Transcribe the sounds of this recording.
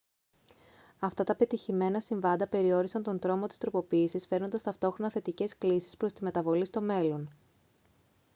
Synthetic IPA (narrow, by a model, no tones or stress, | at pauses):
ɐft̪ɐt̪ɐpe̞t̪içime̞nɐsiɱvɐnd̪ɐpe̞ɾio̞ɾisɐnt̪o̞nd̪ɾo̞mo̞t̪i̥st̪ɾo̞po̞piːsisfe̞ɾno̞nd̪ɐst̪ɐft̪o̞xɾo̞nɐθe̞t̪ice̞sklisi̥spɾo̞st̪ime̞t̪ɐvo̞list̪o̞me̞lo̞n